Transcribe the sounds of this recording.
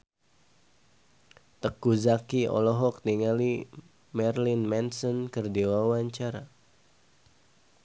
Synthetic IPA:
t̪əkuzakiɔ̰lɔɦɔk̚niŋali | mɛrlɪnmɛnsɔnkɨrdiwawaɲt͡ʃaɾa

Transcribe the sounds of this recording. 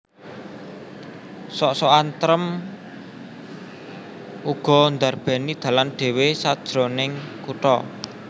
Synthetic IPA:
sɔʔsɔant̪ɾəm | uɡ̥ɔ̤nd̪a̤rb̥ɛ̤nid̪̥ä̤lanɖ̪̥e̤wesad̥ʒ̥ɾo̤nɪŋkuʈɔ̰

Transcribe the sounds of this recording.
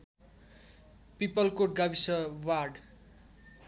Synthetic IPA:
pipʌlkoʈ̚ɡʌbisʌwarɖ

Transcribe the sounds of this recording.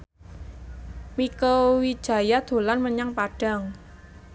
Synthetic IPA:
mikəwi̥ʒ̥a̤jad̪̥o̤lanməɲaŋpaɖ̥a̤ŋ

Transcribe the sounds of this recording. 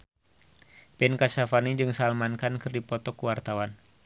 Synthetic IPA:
pɛnkasafanid͡ʒɨŋsalmankankərdipɔt̪ɔkəwart̪awan

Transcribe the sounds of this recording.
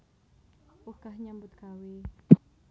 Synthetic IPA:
uhkahɲambʊt̪kawi

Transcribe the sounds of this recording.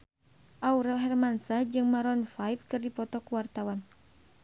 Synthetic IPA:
ʔauɾalɦɛrmansad͡ʒɨŋmaɾɔnfajfkɨrdipɔt̪ɔkuwart̪awan

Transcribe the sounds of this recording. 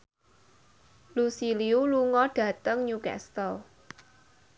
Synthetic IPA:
lusiliuluŋɔɖ̥ä̤t̪əŋɲukɛ̰st̪əl

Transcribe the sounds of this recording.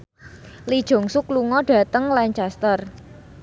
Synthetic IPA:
lid̥ʒ̥o̤ŋsukluŋɔɖ̥ä̤t̪əŋlaɲt͡ʃast̪ər

